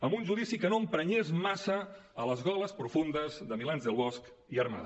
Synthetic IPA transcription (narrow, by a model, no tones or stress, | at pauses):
əmbunʒuðisikənoəmpɾəɲezmasəələzɣɔləspɾufund̪əzðəmilanzðəlˠβɔsk | iərma̰ð